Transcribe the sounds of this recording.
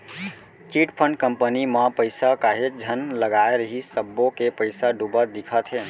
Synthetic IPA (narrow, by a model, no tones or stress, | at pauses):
t͡ʃiʈpʰəɳɖ̚kəmpənimapəɪsakaɦed͡ʒʱənləɡaeɾəɦisəbːokepəjsaɖubət̪̚d̪ikʰət̪ɦe